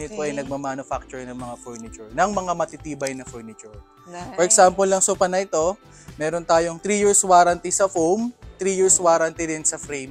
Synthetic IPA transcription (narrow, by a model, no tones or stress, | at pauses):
nɪt̪̚poʔɐjnɐɡ̚mɐmanʊfak̚t͡ʃʊɹnɐŋmɐŋafoɹnɪt͡ʃʊɹnɐŋmɐŋamɐt̪it̪iːbɐjnɐfɛɹnɪt͡ʃʊɹ | poɾʔɛksaːmpolːɐŋsʊpɐnɐʔɪt̪o̞ | mɛːɾont̪aːjoŋt̪ɾiːjiɹswaːɾɐnt̪isɐfowmt̪ɾiːjiɹswaːɾɐnt̪id̪ɪnsɐfɾɛjm